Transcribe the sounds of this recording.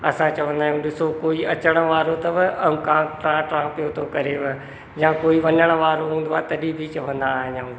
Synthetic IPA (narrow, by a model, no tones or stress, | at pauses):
ɐsãt͡ɕɐʋə̃nd̪aːɦjũɗɪsokoːiɐt͡ɕəɽ̃ə̆ʋaːɾot̪ɐʋɪɐũkãːʈɾãːʈɾãːpijot̪ʰokɐɾeʋə | jãːkoːiʋɐɲəɽ̃ə̆ʋaːɾoɦũːn̆d̪oaːt̪ɐɗibʱit͡ɕɐʋə̃nd̪aːɦɪ̃ɲaũ